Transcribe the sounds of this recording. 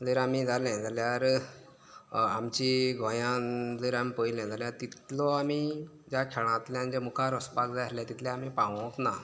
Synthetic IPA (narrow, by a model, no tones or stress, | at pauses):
d͡zəɾamid͡zalɛ̃nd͡z̪ljaɾ | amt͡ɕiɡʱɔ̃jãd͡zəɾamipəilɛ̃nd͡z̪aljaɾt̪it̪lɔami | d͡ʑakʰɛɭ̃ãt̪ljanid͡ʑamukʰaɾəspakd͡zaasljat̪it̪lɛ̃amipãʋɔõk̪na